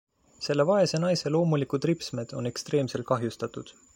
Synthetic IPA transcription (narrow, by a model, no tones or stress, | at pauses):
se̞lːe̞vɑe̞se̞nɑjse̞lo̞ːmulikud̪̥ripsme̞d̪̥o̞ne̞kst̪ɾe̞ːmse̞lt̪̚kɑɦjust̪ɑt̪ˑud̪̥